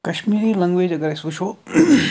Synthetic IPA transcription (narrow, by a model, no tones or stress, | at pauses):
kɐʃmiːɾiːlɐŋɡʋeːd͡ʒɐɡɐɾesuʃʰo